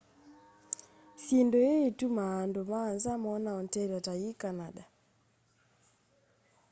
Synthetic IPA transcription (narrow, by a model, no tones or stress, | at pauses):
θjendojeːtumaːndomaːnzamɔnaɔntɛɾataikanaɗa